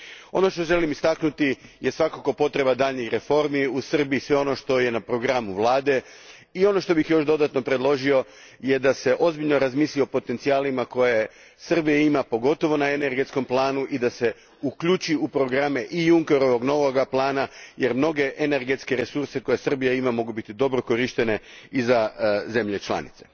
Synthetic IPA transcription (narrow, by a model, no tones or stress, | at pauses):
o̞no̞ʃt̪o̞ʒe̞limist̪aknut̪ijesʋakako̞po̞t̪ɾe̞bad̪aʎɲixɾe̞fo̞ɾmiusr̩biːsʋe̞o̞no̞ʃt̪o̞je̞napɾo̞ɡɾamuʋlˠaːd̪e̞ | io̞no̞ʃt̪o̞bixjo̞ʃd̪o̞d̪at̪no̞pɾe̞d̪lˠo̞ʒio̞ | je̞d̪ase̞ʔo̞zbiʎno̞ɾazmiːslio̞po̞t̪e̞nt̪siaːlimako̞je̞ | sr̩bijeimapo̞ɡo̞t̪o̞ʋo̞naeneɾɡet̪sko̞mplˠaːnuʔid̪ase̞ | ukʎut͡ʃiupɾo̞ɡɾame̞ʔijuŋkeɾo̞ʋo̞ɡno̞ʋoɡaplˠaːnajeɾmno̞ɡe̞ʔene̞ɾɡe̞t̪ske̞ɾe̞suɾse̞ko̞je̞sr̩bijaimamo̞ɡubit̪id̪o̞bɾo̞ko̞ɾiʃt̪e̞ne̞ | izaze̞mʎe̞t͡ʃlˠa̰nḭt̪se̞̥